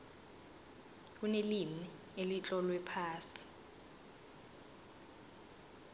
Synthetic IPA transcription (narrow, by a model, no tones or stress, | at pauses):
k̬unelimi | elit͡ɬʼɔlwɛpʰaːsi̥